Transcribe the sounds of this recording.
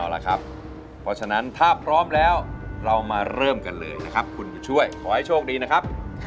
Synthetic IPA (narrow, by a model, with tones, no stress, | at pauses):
la̰˨˧˩kʰa˦˥p̚ʰː | ɾɔ˦˥t͡ɕʰa˧na˦˥nt̪ʰaː˥˩pʰɾɔː˦˥mlɛː˦˥wɾa˧wmaː˧ɾɤː˥˩mka˧nlɤ̰ː˧jna˦˥kʰa˦˥p̚kʰu˧nt͡ɕa˨˧t͡ɕʰu˥˩əjkʰɔː˨˦ha˥˩jt͡ɕʰoː˥˩k̚diː˧na˦˥kʰa˦˥p̚